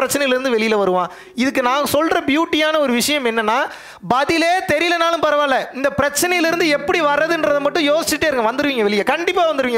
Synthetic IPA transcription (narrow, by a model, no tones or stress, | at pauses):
ɾɐt͡ʃːɐnɐɪjɪlɪɾɯnd̪ɯʋɛɭɪjɪlɐʋɐɾɯʋãː | ɪðɯk̬ːɯnãːŋɡɐsɔlɾɐbjuːʈːɪjaːnɐɔɾɯʋɪʂɐjɐmɛnːɐnːaː | bɐðɪleːt̪ɛɾɪɪlɐnaːlɯ̃mpɐɾɐʋaːlɐɪnd̪ɐpɪɾɐt͡ʃːɐnɐjɪlɪɾɯnd̪ɯɛpːɐɽiʋɐɾːɐðɯndɾɐðɯmɐʈːʊ̃joːsɪt͡ʃɪʈːeːɾɯŋɡɐʋɐnd̪ɯɾɯʋiːŋɡɐʋɛɭɪjɐkɐɳɖɪpːaːʋɐnd̪ɯɾɯʋiːŋɡɐ